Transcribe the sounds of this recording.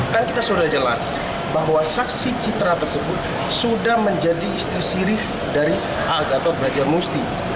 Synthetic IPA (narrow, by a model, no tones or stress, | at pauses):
kankit̪asudad͡ʒəla̰s | baɦwasaksit͡ʃit̪ɾat̪ərsəbʊt̪̚ | sudahməɲd͡ʒadiːst̪iasiɾɪf | daɾi | aɡat̪abəlad͡ʒarmust̪i